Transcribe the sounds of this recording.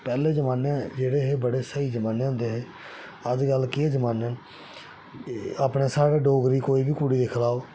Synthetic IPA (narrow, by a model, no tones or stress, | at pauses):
pɛːleːd͡ʒəmaːnãːd͡ʒeːɽeːɦeːbəɽeːsəiːd͡ʒəmaːneːõnd̪eːɦeː | əd͡ʒɡəlkɪeːd͡ʒəmaːnãː | aːpɽeːsaːɽeːɖoːɡɾiːkoːiːbiːkuɽiːd̪eːkʰlaːoː